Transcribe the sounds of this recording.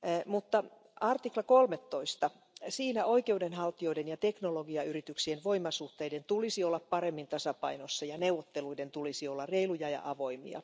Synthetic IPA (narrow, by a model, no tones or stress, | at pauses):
mut̪ːɑ | ɑrt̪iklɑkolmet̪ːoist̪ɑ | siːnæoikeudenhɑlt̪ːio̞idenjɑt̪eknoloɡiɑyrit̪yksienʋoimːɑsuht̪eident̪ulisiolːɑppɑɾemːint̪ɑsɑpɑinosːɑjɑneuwʋot̪ːeluident̪ulisiolːɑrreilujɑjɑ̰ʔɑʋoimḭɑ̰